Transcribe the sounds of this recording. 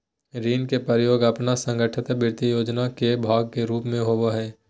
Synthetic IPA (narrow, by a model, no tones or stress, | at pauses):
ɾiːnkepəɾjoːɡəpnasə̃ŋɡəʈʰɪt̪bɪɾt̪ijoːd͡ʒnakebʱaːɡ̚keɾuːpmẽɦoʋoɦɛː